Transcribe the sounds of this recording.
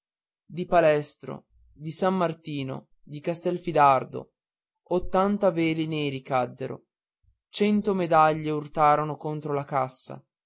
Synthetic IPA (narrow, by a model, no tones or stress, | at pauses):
d̪ipalɛst̪ɾo̰ | d̪isamːart̪iːno̰ | d̪ikast̪ɛlfid̪ard̪o̰ | ot̪ːant̪aveːlineːɾikad̪ːeɾo̰ | t͡ʃɛnt̪omed̪aʎːeurt̪aːɾonokont̪ɾolakasːa̰